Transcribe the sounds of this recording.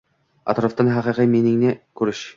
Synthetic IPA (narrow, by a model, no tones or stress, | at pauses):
ɑ̰t̪ɾoft̪ɑnɦæqĭqɤminɪ̆ŋnɘkʉɾɘʃ